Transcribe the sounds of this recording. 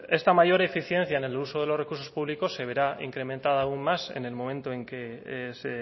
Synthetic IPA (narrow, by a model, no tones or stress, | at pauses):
e̞st̪amaʝo̞ɾefiθje̞n̟θjaene̞luso̞ð̞e̞lo̞sre̞kuɾso̞spuβliko̞sːe̞βe̞ɾaḭŋkɾe̞mẽnt̪aðaːuŋmːase̞̰ne̞lmõ̞mẽnt̪oe̞ŋke̞se